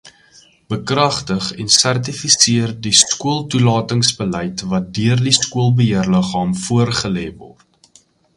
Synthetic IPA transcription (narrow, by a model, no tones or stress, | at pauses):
b̥əkrɐχtəχɛnsært̬ifisiərdiskuəlˠtulɑːtəŋsbəlɛjtvɐt̚døərdiskuəlˠbəɦiərləχɑːmfuərχəlɛːvɔ̰rt